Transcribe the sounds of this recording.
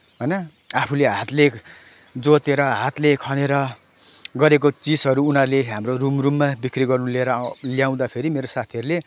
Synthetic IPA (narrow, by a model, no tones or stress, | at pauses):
ɦʌjnʌ | apʰuleɦat̪le | d͡zot̪eɾʌɦat̪lekʰʌneɾʌ | ɡʌɾek̬ot͡sisɦʌɾuunʌrleɦamrorumrumːabikriɡʌrnuleɾʌljaw̃d̪apʰeɾimeɾosat̪ʰijʌɾule